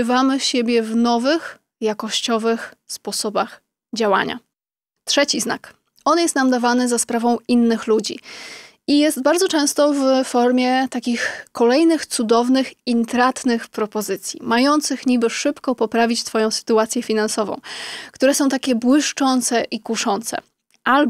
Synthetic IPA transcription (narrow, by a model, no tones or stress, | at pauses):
vamɘɕebʲjɛvnɔvɘx | jakɔɕt͡ɕɔvɘxspɔsɔbax | d͡ʑawa̰ɲa̰ | t̪ʂɛt͡ɕizna̰k | ɔnjɛst̪namd̪avanɘzaspɾavɔ̃w̃inːɘxlud͡ʑḭ | ijɛst̪baɾd̪zɔt͡ʂɛ̃w̃st̪ɔvfɔɾmʲjɛt̪akʲixkɔlɛjnɘxt̪sud̪ɔvnɘxint̪ɾat̪nɘxpɾɔpɔzɘt̪sʲjḭmajɔnt̪sɘxɲibɘʂɘpkɔpɔpɾavʲit͡ɕt̪fɔjɔ̃w̃sɘ̥t̪uat̪sʲjɛfʲinansɔvɔ̰̃w̃kt̪uɾɛsɔ̃w̃t̪akʲɛbwɘʂt͡ʂɔnt̪sɛʔikuʂɔnt̪sɛ̰ | ʔal